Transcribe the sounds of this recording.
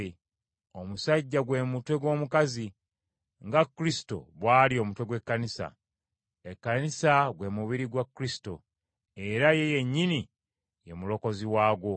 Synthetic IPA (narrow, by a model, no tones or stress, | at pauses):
o̞musaɟːaɡwe̞mutwe̞ɡwo̞ːmukazi | ŋɡakːuɾisi̥to̞̰βwaːlio̞ːmutwe̞ɡwe̞kːanisa̰ | ekːanisaɡwe̞muβiɾiɡwakːuɾisi̥to̞̰ | e̞ɾaje̞je̞ɲːini | je̞mulo̞ko̞ziwaːɡwo̞